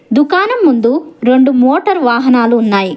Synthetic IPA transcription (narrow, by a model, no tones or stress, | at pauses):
d̪ukaːnɐmːund̪uɾe̞ɳɖumoːʈɐɾʋaːɦɐnaːluːnːaːji